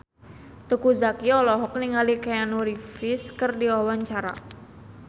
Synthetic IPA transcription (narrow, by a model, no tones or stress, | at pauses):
t̪ukuzakiɔlɔɦɔk̚niŋalikajanuɾifɪskɨrdiwawaɲt͡ʃaɾa̰